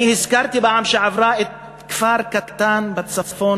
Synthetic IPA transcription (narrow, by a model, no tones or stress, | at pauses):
ihɪskɑɾˤt̪ibaʕamʃaʕafɾˤɑːʔɪt̪̚ | kfɑːɾˤkat̪t̪ːaːnbat̪sɑfːuː